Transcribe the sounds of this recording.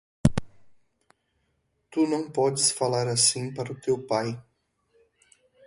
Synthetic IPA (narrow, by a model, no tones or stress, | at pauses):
t̪unɐ̃w̃pɔd͡ʒɪsfalaɾasĩpaɾɐʊt̪ewpaj